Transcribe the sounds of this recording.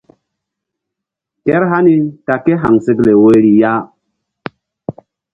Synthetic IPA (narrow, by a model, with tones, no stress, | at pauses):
ke˦ɾɦa˦ni˦ka˨ke˦ɦa˨ŋse˦kle˨we˦ɾi˨ja˦